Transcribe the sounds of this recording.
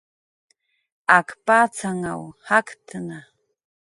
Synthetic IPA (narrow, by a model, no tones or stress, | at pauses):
akpaːt͡saŋa̰whakt̪əna